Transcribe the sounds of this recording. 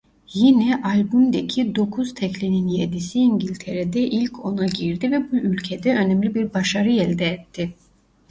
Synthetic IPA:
jinɛʔalʲbumd̪ecʰid̪o̞kʰuz̥t̪ʰɛclʲininjed̪isiːɲɟilʲt̪ʰeɾed̪ɛʔilʲcʰo̞naɟiɾd̪ivɛbuʔylʲcʰed̪ɛø̞nɛmlʲibiɾbaʃaɾɯjɛlʲd̪ɛːt̪ʰːɪ

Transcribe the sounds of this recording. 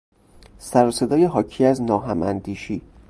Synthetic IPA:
sæɾose̞d̪ɒːje̞ɦɒːcʰiːæznɒːɦæmʔæ̰nd̪iːʃiː

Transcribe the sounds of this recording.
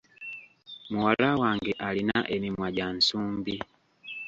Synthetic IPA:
muwalawaːŋɡeʔalinaʔemimwaɟansuːmbi

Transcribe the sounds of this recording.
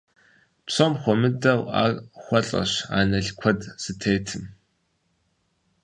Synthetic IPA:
psomχʷɔmɨdɐwa̰ːxʷɐɬʼɐ̰ɕa̰ːnɐɮkʷʰɔdsɨtʰeːjtʰɨm

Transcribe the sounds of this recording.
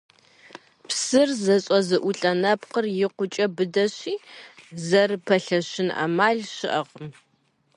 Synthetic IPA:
psɨrzɐɕʼɐzɨʔʷʊɬʼɐnɐpqərjɪqʷʊt͡ʃʼɐbɨdɐɕiːzɐrpʰɐɬɐɕɪnɐ̰maːɮɕɪʔɐʁm

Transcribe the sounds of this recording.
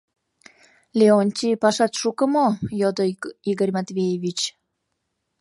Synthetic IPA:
lʲeonʲt̪ʲipaʃat̪ʃukəmojod̪oiɡərʲmat̪vʲejeβʲit͡ɕ

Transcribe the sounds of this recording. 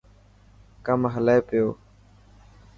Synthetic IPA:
kəmɦəleeːpɪjoː

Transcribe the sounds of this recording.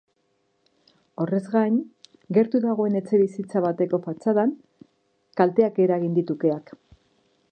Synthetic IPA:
o̞re̞zɣajn | ɡe̞ɾt̪uðaɣ̞o̞e̞ne̞t͡se̞βisit͡saβat̪e̞ko̞fat͡saðaŋ | kalt̪e̞ake̞ɾaɣind̪it̪uke̞ak

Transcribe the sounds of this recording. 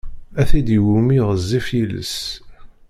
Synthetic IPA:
æθid̪iwumiʁəzːifjilə̰s

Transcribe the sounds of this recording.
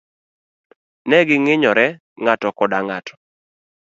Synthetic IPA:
nɛɡɪŋɪɲɔɾɛ | ŋatɔkɔdaŋatʰɔ̥

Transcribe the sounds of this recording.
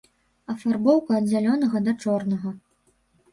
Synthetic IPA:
ɐfarbɔwkɐːd̪ʲd͡zʲalʲɔnɐɣɐd̪ɐt͡ʂɔrnɐɣɐ

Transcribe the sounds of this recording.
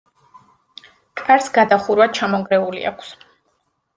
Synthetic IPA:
kʼaɾsɡad̪aχuɾwat͡ʃʰamɔŋɡɾɛulḭa̰kʷʰs

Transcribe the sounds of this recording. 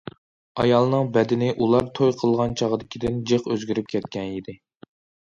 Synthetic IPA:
ɑjɑlˠnɨŋbɛd̪ɪnɪʔulˠɑɾt̪ʰojqʰəlˠʁɑnt͡ʃʰɑʁəd̪ɪkʲid̪ɪnd͡ʒeqøzɡʲyɾyp̚kʲʰɛt̪̚kʲʰɛnid̪ɪ

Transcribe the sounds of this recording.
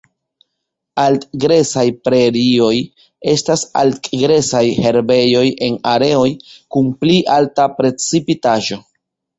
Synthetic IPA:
altɡɾe̞sajpɾe̞ɾio̞j | e̞stasa̰ltɡɾe̞sajhe̞ɾbe̞jo̞jʔe̞naɾe̞o̞jkunpliʔaltapɾe̞t͡sipitaʒo̞

